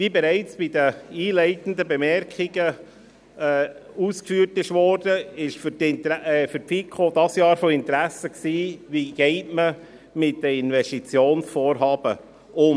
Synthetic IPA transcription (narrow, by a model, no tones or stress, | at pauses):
vibɛɾæɪt͡sb̥idəiːlɛɪt̪n̩d̪əbɛmɛɾkχiɡə | ɛːuːskfyːrtɪʃʋɔɾd̥əɪʃfytɪntːfyɾpfikʰχod̥ɑsjɑːɾfoɪntɾæsəksiːviɡ̥ɛɪtmə | mɪt̚d̥əɪnvɛstit͡sjoːnsfoːɾɦɑːb̥ə | ʔʊm